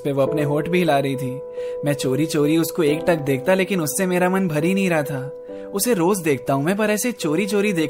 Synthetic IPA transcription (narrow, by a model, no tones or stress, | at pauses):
peʋoɐpneɦoːʈbʱilaːɾɐɦit̪ʰiː | mɛ̃ːt͡ʃoːɾit͡ʃoːɾiʊskoeːk̚ʈɐk̚d̪eːk̚ʰt̪aleːkɪnʊsːemeːɾamɐnbʱɐɾinɐɦĩɾɐɦat̪ʰaː | ʊseɾoːzd̪eːk̚ʰt̪aɦũmɛ̃ːp̬ɐɾɛːset͡ʃoːɾit͡ʃoːɾid̪eː